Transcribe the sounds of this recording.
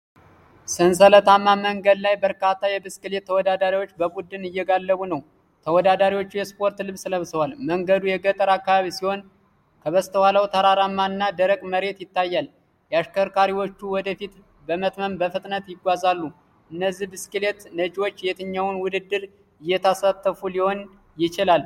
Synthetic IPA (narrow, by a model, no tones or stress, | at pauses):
sɨns̬ələt̪amːaməŋɡəd̪lajbəɾkat̪ːajɛbɨskɨle̞t̪ʰːəwɔd̪ad̪aɾiwo̞t͡ʃːbəbud̪ːɨnɨjːɛɡalːəβunəw | t̪ʰəwɔd̪ad̪aɾiwot͡ʃːujɛspʰo̞ɾt̪lɨβsləβsəwalməŋɡəd̪ujɛɡət̪ʼəɾakːaβaβisiho̞n | kʰəβəst̪ʰəwaləwt̪ʰaɾaɾamːaɨnːad̪əɾəkʼməɾe̞t̪jɪt̪ːajːal | jɛaʃkəɾkaɾiwo̞t͡ʃːuwɔd̪əfit̪ | bəmət̪məmbəfɨt̪ʼnət̪jɪɡʷazalːu | ʔɨnːəzːihbɨskɨle̞t̪nəd͡ʒiwot͡ʃːjet̪ʰɨɲːawnwʊd̪ɨd̪ːɨɾ | ɨjːɛt̪ʰasat̪ʰːəfuliho̞n | jɪt͡ʃɪlal